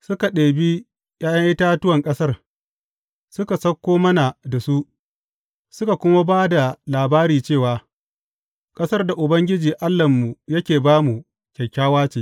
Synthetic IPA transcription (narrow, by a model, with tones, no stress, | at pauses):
sʊ˦ka˨ɗeː˨bi˦ | jaː˦jɐ˦ŋʔɪ˦taː˦tʊ˦wɐ˨ŋkʼɐ˦sɐ˦r | sʊ˦ka˨sɐ˦kʷːoː˦mɐ˦na˨da˨su˦ | sʊ˦ka˨kʷʊ˦ma˦baː˦da˨laː˨baː˦ɾiː˨t͡ʃeː˦˨waː˨ | kʼɐ˦sɐ˦rda˨ʔʊ˨bɐ˦ŋɡʲɪ˦d͡ʒiː˨ʔa˦lːɐ˨mːu˨jɐ˦kʲeː˨baː˦mu˨ | kʲɐ˨kʲaː˦waː˦t͡ʃeː˨